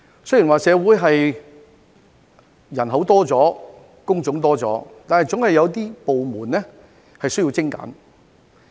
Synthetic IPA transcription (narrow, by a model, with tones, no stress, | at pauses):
sɥjiː˨˩nwaː˨sɛː˨˧wuː˨˥jɦɐ˨j | jɐ˨˩nɦo˨˥wt̪ɔː˥t͡sɔː˨˥ | kʊ˥ŋt͡sʊ˨˥ŋt̪ɔː˥t͡sɔ̰ː˨˥t̪aː˨nhɐ˨jt͡sʊ˨˥ŋhɐ˨jːɐ˨˧wt̪iː˥po˨wmuː˨˩nɛ˥ | hɐ˨jsɵ˥ɥji˧t͡sɪ˥ŋka̰ː˨˥n